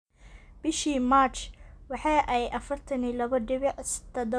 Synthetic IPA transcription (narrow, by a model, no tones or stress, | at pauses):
b̥ɪʃiːmaːt͡ʃwɑħɑːʔɛjʔɐfɐrt̪ʰɐniːlɐβɐdɪβsd̪ʰɐd̪ɔ